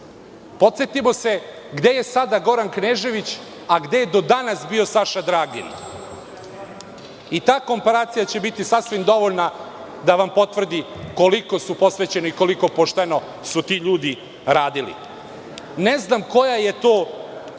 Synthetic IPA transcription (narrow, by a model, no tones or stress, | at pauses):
po̞t̪sje̞t̪imo̞se̞ | ɡd̪e̞je̞sad̪aɡo̞ɾankneːʒe̞ʋit͡ɕ | aɡd̪eje̞d̪o̞d̪anasbiosaʃad̪ɾaːɡḭn | it̪aːko̞mpaɾaːt̪sijat͡ɕe̞bit̪isasʋimd̪o̞ʋoʎna | d̪aʋampo̞t̪ʋr̩d̪iko̞liko̞supo̞sʋet͡ɕe̞noiko̞liko̞po̞ʃt̪eno̞ | sut̪iːʎuːd̪i | ɾaːd̪ilḭ | neznamko̞jaje̞t̪oː